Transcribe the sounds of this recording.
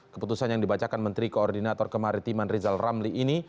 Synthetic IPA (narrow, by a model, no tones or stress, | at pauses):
kə̥put̪usanjaŋdibat͡ʃakanmənt̪ɾikoːrdinat̪ɔrkəmaɾit̪imanrizalramliːni